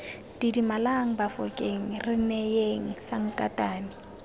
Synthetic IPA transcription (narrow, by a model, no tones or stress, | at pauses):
d̥idimalaŋ̩bafɔkʼeŋ̩rɪnɛjeŋ̩saŋ̩kʼa̰tʼaːnɪ